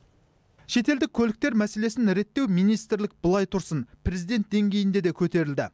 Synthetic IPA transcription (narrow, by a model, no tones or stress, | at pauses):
ʃe̞t̪e̞ld̪ɪkʲʰːɵlɪk̚t̪e̞ɾmæse̞le̞sɪnɾe̞t̪ːe̞wmijnijst̪ɾlɪk̚bəlˠɑjt̪ʰʊɾsənpʰɾe̞zijd̪e̞nt̪̚d̪e̞ŋɡʲe̞jɪnd̪e̞d̪e̞kʲʰɵt̪e̞ɾɪld̪ɪ